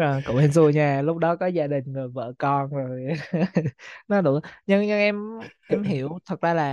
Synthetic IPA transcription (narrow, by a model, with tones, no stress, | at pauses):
əː˨˩kʊ̰˧˨whe˧˩nzu˨˧˩əjɲaː˧˩lʊ˦˥k͡p̚ɗɔ˨˦kɔ˨˦zaː˧ɗï˨˩ŋ̟zɨ˨˩jvə̰ː˧˨kɔ˧nzo˨˩ | nɔ˨˦ɗʊu˧˩ɲɨ˧ŋɲɨ˧ŋʔɛ˧mʔɛ˧mɦi˧˩˨əwt̪ʰə˨˩t̚zaː˧laː˨˩